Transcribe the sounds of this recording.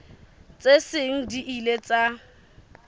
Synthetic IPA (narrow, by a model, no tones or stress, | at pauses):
t͡sʼesɪŋ̩diʔilet͡sʼa